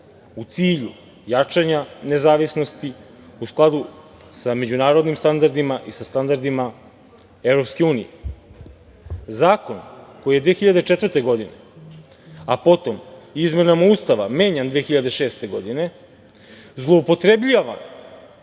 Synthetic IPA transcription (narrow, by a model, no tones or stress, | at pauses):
ut̪siːʎu | jat͡ʂaɲane̞zaːʋisnost̪i | usklˠad̪u | same̞d͡ʑunaːɾo̞d̪nimst̪and̪aɾd̪imaʔisast̪and̪aɾd̪ima | e̞vɾo̞pske̞uːnḭjḛ | zaːko̞nko̞jije̞d̪ʋexiʎad̪e̞t͡ʃet̪vəɾt̪e̞ɡo̞d̪inḛ | apo̞t̪o̞mizme̞namauːst̪aʋa̰me̞ːɲand̪ʋeexiʎad̪eʃe̞ːst̪e̞ɡo̞d̪ine̞ | zlˠoupo̞t̪ɾebʎijaʋa̰n